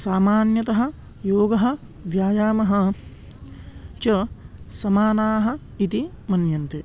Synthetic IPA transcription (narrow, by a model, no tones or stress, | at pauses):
saːmaːnjɐt̪ɐɦɐ̆ | joːɡɐɦɐ̆ | ʋjaːjaːmɐɦɐ | t͡ʃɐsɐmaːnaːɦɐ̆ | it̪i | mɐnjɐnt̪e